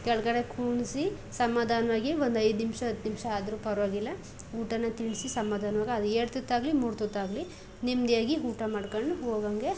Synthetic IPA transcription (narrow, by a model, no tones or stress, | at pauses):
kɛɭkɐɽe̞kʰuːɳsi | sɐmːaːd̪ʱaːnʋaːɡiʋond̪ɐjd̪nimʂɐɦɐd̪ːnimʂɐaːd̪ɐɾupɐɾʋaːɡilːɐ | uːʈɐnːɐt̪iɳsisɐmːaːd̪ʱaːnʋaːɡɐɐd̪ueːɽt̪ut̪ːaːɡlimuːɾt̪ut̪ːaːɡli | nimd̪jaːɡiuːʈɐmaːɖkɐɳɖuɦoːɡaŋɡe